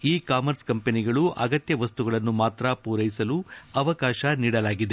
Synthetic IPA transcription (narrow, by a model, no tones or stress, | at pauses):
iːkaːmɐɾskɐmpeniɡɐɭuʔɐɡɐt̪jɐʋɐst̪uɡɐɭɐnːumaːt̪ɾɐpuːɾɐjisɐluɐʋɐkaːʃɐniːɽɐlaːɡid̪e